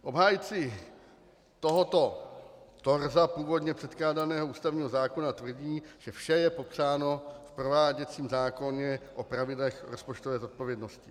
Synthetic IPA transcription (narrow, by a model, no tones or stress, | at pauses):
ʔo̞bɦaːjt͡sɪ | t̪oɦot̪o̞t̪o̞ɾzapuːvo̞dɲɛpr̥ɛt̪klaːdanɛːɦouːst̪avɲiːɦo̞zaːko̞nat̪vr̩ɟiːʒ̥ɛfʃɛjɛpo̞pr̝aːno̞fpɾo̞vaːɟɛt͡siːmzaːko̞ɲɛʔo̞pɾavɪdlɛxɾospot͡ʃt̪ovɛːzo̞t̪̚po̞vjɛdno̞scɪ